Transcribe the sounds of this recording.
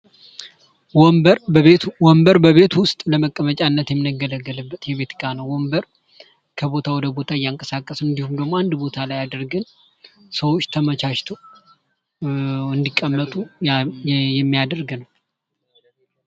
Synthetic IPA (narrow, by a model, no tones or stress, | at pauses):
wbɾwɔmbəɾbəβe̞t̪wʊst̪ʼləməkʼːəmət͡ʃʼanːət̪jɛmːɨnəɡːələɡːələbːət̪jɛβe̞t̪kʼanəwwɔmbəɾ | kʰəbo̞t̪ʰawɔd̪əbo̞t̪ʰaɨjːaŋkʼəsakʼːəsɨnd̪ihumd̪əɡmo̞and̪bo̞t̪ʰalajad̪əɾɡɨn | səwot͡ʃːt̪ʰəmət͡ʃaʃt̪ʰo | ɨnd̪ikʼːəmːət̪ʼu | jɛmːijad̪əɾɡnəw